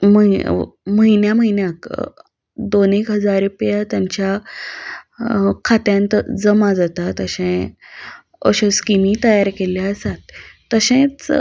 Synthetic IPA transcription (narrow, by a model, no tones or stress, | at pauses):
məiməɦinjaməinjak | d̪onekɦəd͡zaɾupjat̪jaɲt͡ɕja | kʰat̪jãnt̪əd͡zəmad͡zat̪at̪əɕɛ̃ | ə̰ɕəskimit̪əjaɾkeleəsat̪ːəɕẽt͡s